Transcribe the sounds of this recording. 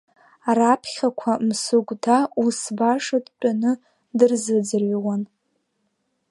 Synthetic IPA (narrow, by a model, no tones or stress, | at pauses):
rapʰχʲakʷʰamsuɡʷtʰausbaʂadt͡pʼanɨ | dɨrzɨd͡zɨrɥwan